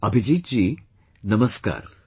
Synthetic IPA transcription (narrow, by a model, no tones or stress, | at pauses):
ɐbʱid͡ʒiːd͡ʒiː | nɐmɐska̰ːɾ